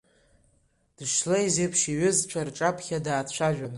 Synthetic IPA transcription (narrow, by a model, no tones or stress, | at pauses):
d̥ɨʂlejzepʰʃiɥʏzt͡ʃʷʰarʈ͡ʂʼapʰχʲadaːt͡ɕʷʰaʒᶣan